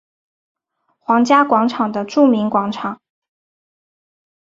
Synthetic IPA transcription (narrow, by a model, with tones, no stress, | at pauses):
xwɑ˧˥ŋt͡ɕja˥kwɑ˧˥ŋʈ͡ʂʰɑ˨˩ŋd̪ə˦ʈ͡ʂu˥˩mi˧˥ŋkwɑ˧˥ŋʈ͡ʂʰɑ˨˩˦ŋ